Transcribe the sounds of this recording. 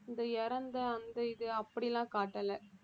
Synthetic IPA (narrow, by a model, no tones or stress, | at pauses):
ɪnd̪ɐɛɾɐnd̪ɐɐnd̪ɐɪðɯɐpːɐɽɪjlãːkaːʈːɐlɐ